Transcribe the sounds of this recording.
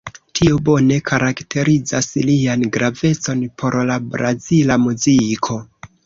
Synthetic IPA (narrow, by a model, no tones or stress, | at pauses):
tʰio̞bo̞ne̞kʰaɾaktʰe̞ɾid͡zaslianɡɾave̞t͡so̞npʰo̞ɾlabɾazilamuzikʰo̞